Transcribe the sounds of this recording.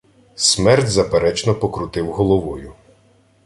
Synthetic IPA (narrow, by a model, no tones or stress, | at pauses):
smɛrtʲzɐpeɾɛt͡ʃnɔpɔkɾʊt̪ɪwɦɔlˠɔʋɔjʊ